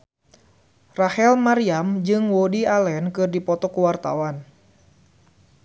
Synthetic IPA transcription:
rahɛlmaɾiamd͡ʒɨŋwodialɛnkɨrdipɔt̪ɔkuwart̪a̰wan

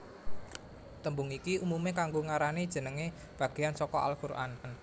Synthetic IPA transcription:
t̪əmbuŋikiumumekaŋɡoŋaɾanid̥ʒ̥ə̤nəŋe | b̥ä̤ɡ̥e̤jansɔkɔa̰lkuɾʔa̰nn

